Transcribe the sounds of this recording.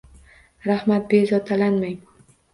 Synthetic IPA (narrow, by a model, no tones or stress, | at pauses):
ɾahmat̪̚bezɒt̪ʰalanmajmʊ